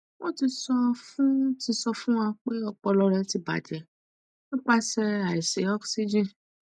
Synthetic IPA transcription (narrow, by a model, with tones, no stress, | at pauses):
wo˦ti˧sɔ˧fũ˦ti˧sɔ˧fũ˦ã˧k͡pe˦ɔ˧k͡pɔ˧lɔ˧ɾɛ˧ti˧ba̰˨d͡ʒɛ˨ | nĩ˦k͡pa˧sɛ˧a˨i˨se˨ɔ˦ksi˦d͡ʒĩ˦